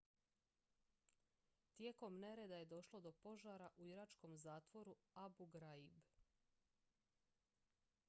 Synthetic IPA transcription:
t̪je̞ko̞mne̞ɾe̞d̪aje̞d̪o̞ʃlˠo̞d̪o̞po̞ʒaːɾaʔuiɾat͡ʃko̞mzaːt̪ʋo̞ɾuabuɡɾaib

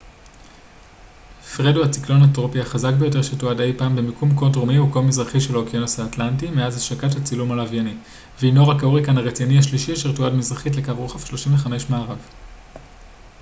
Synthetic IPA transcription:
fʁeduhat͡siklo̞nhatʁo̞pihaχazak̚be̞jo̞t̬e̞ʁʃetuade̞jpaːmbemikumkont̬ʁomiukovmizʁaχiʃe̞lokionosaːtlantimeazhaʃakathat͡silumalavjani | veino̞ʁakauʁikanaʁet͡sinihaʃliʃioʃeʁtuadmizʁaχitle̞kavʁoχafʃlo̞ʃimveχameʃmaːʁav

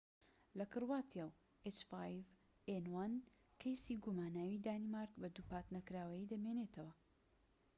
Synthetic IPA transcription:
lɐkɨrwaːt̪ʰjaw | et͡ʃfajv | enwan | kʰɐjsiːɡumaːnaːwid̪aːnimaɾkbɐd̪upaːt̪nɐkɾaːwɐjiːd̪ɐmeneːt̪ʰɐwɐ

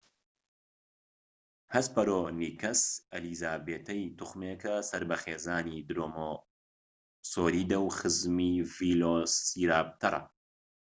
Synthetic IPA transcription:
hɐspɐɾoːniːkɐsɐliːzaːbeːt̪ʰɐjt̪uχmeːkɐsɐɾbɐxeːzaːniːd̪ɾoːmo | soːɾiːd̪ɐwχɨzmiːviloːsiːɾaːb̚t̪ʰɐɾˤɐ̰

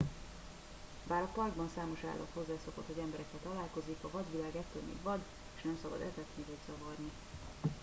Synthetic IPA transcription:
baːɾɒpɒrɡbɒnsaːmo̞ʃa̰ːlːɒ̰t̪ho̞zːaːso̞kot̪hoɟɛmbɛɾɛkːɛt̪ɒlaːlko̞zikɒvɒd̪ʋilaːɡɛt̪ːø̰ːlmḭːɡvɒd̪ | eːʃnɛmsɒbɒ̰d̪ɛ̰vɛt̪nivɒɟz̥ɒvɒrni

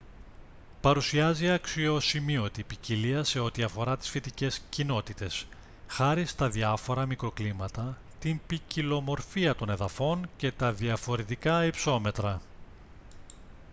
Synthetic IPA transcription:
pɐɾusiɐziɐksio̞simio̞t̪ipiciliɐse̞o̞t̪iɐfo̞ɾɐt̪i̥sfet̪ice̞scino̞t̪it̪e̞s | xɐɾist̪ɐðiɐfo̞ɾɐmikɾo̞klimɐt̪ɐ | t̪impicilo̞mo̞ɾfiɐt̪o̞ne̞ðɐfo̞nce̞t̪ɐðiɐfo̞ɾe̞t̪ikɐipso̞me̞t̪ɾɐ

